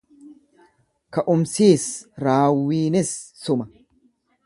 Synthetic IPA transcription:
kɐʔʊmsiːsɾaːwːiːnɪsːʊmɐ

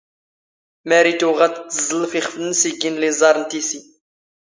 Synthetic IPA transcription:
mæɾit̪uʁæd̪t̪ːzˤəlːfiχflnəsiɡinlizˤɑɾˤnt̪isi

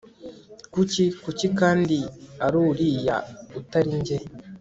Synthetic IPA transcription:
kucikucikaːndiaɾuːɾiːja̰utaɾiɲɟe

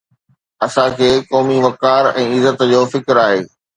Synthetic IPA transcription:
ɐsãkʰeːkɔːmiʋɐkaːɾɛ̰̃ːɪzət̪d͡ʑoːfɪkɾaːɦeː

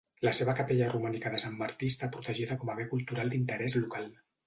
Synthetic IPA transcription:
ləseβəkapeʎarumanikəðəsamːaɾt̪ist̪apɾut̪əʒiðəkɔmaβekulˠt̪uɾalˠd̪int̪əɾɛzlukalˠ

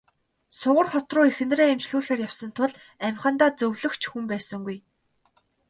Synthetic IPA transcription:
sʊʁə̆rχɔt̪rʊːexɘ̆nreːemt͡ɕɮuːɮxeːrjawsə̆nt̪ʰʊɮ | æmʲχə̆nt̪aːt͡sɵwɮɵ̆xt͡ɕʰxumpæːsə̆ŋɡuj

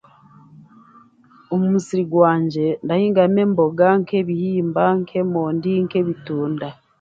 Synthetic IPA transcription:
omumusiɾiɡwaːɲɟe̞ndahiːŋɡame̞mbo̞ɡaŋke̞βihiːmbaŋkʰe̞moːndiŋke̞βituːnda

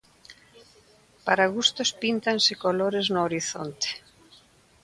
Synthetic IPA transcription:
paɾaɣust̪ospint̪ansɪkoloɾeznoːɾiθont̪e̥

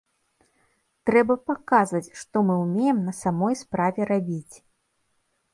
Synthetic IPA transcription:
t̪ɾɛbɐpakazvɐt͡sʲʂt̪ɔmɨwmʲejɛmnɐsamɔjspɾavʲɛrabʲit͡sʲ

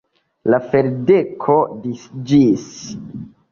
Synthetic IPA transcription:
lafeɾdekʰo̞disd͡ʒis

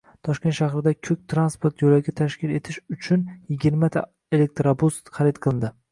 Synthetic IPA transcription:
t̪ʰɒʃkʲe̞nt̪ʃahɾɪd̪akʲʰɵk̚ʲt̪ʰɾanspoɾt̪jolaɡʲat̪ʰaʃkʲɪle̞t̪ʰɪʃʊt͡ʃʰʊnjɪɡʲɪɾmat̪ʰa̰ | elek̚t̪ɾabust̪χaɾɪt̪qʰɨlˠɪnd̪ɪ

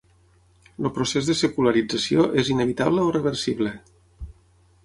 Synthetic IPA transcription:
lopɾosezðəsəkuləɾid͡zəsioʔezinəβ̞it̪aβləorəβ̞əɾsiβlə

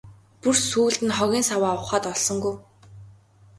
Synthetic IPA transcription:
pursuːɮt̪ɘ̆nχɔɣʲiːnsawaːʊχaːt̪ɔɮsɞ̆ŋɡuj

